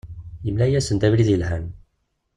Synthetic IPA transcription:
jəmlæjæsənt̪ævliðjəlhæn

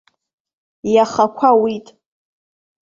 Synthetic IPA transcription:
jaχakʷʰawitʼ

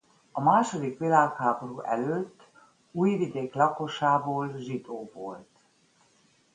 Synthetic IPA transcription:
ɒmaːʃo̞d̪ikʋilaːkhaːbo̞ɾuːʔɛ̰løːt̪ː | uːjvid̪eːklɒko̞ʃaːboːlʒid̪oːvolt̪

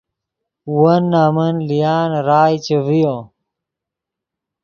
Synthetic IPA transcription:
uwɐnːaːmɐnlijaːnɾaːjt͡ɕevijõ

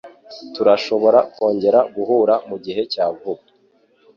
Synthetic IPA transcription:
tuɾaʃo̞βo̞ɾakwo̞ːɲɟe̞ɾaɡuɦuɾamuɟiɦe̞caːɡub

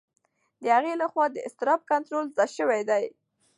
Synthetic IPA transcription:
d̪əhaɣelaxwɑd̪əɪst̪ɪɾɑb̚kant̪ɾolzɑjʃəwajd̪aj

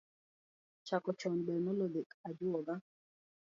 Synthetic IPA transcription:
t͡ʃakɔt͡ʃɔnbɛnɔlodekad͡ʒʊɔɡa

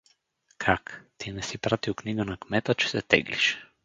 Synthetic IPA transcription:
kʰakt̪inɛsipɾat̪iwkniɡənakmɛt̪ət͡ʃɛ̥sɛt̪ɛ̰ɡlḭʃ

